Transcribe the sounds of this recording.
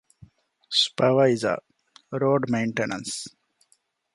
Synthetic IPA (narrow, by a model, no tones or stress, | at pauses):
spaʋaiza̰ | ɾoːɖmãʊ̃ɳʈenə̰̃ns